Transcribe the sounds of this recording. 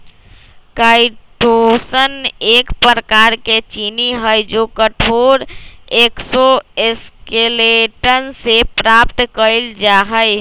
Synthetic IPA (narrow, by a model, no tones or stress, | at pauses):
kaiʈosənekpəɾəkaɾket͡ʃiniɦəjd͡ʒokəʈʰoɾeksɔeskeleʈənsepɾap̚t̪kəɪld͡ʒaɦəj